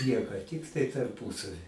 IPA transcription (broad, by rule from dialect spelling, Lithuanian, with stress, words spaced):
ˈnʲiɛkoː ˈtʲɪktɐɪ tɐrˈpuːsɐʋʲɪ